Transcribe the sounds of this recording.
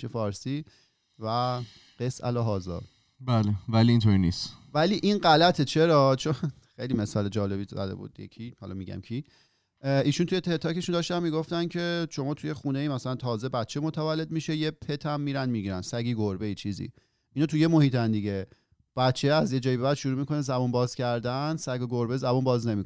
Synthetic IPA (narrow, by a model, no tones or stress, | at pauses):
ʃefɒːɾsiː | væ | ɢesæ̰lɒːɦɒːzɒ̰ː | bæːlevæliint̪ʰoːɾinḭːst̪væliːʔinɢælæt̪ʰet͡ʃʰe̞ɾɒːt͡ʃʰon | xejlimesɒːled͡ʒɒːle̞bizæ̰d̪ḛbṵd̪̥jḛkʰihɒ̰lɒ̰miɟæ̰mcʰi | ʔiːʃunt̪ʰuje̞t̪ʰet̪ʰɒːke̞ʃund̪ɒːʃt̪ænmiːɡo̞ft̪æncʰe̞ʃo̞mɒːt̪ʰujexune̞iːmæsælænt̪ʰɒːze̞bæt̪t͡ʃʰemo̞t̪ʰævælːe̞d̪̚miʃejepʰe̞t̪ʰæmːiːɾænmiɟiɾænsæɡiːɡoɾbeit͡ʃʰizḭ | ʔinɒːt̪ʰujemohiːt̪ʰænd̪iɟe̞ | b̥æt̪t͡ʃʰeæzje̞d͡ʒɒːjibe̞bæd̪ʃuɾuːmikʰo̞nezæbunbɒːz̥cʰæɾd̪ænsæɡoɡoɾbezæbunbɒːzne̞mik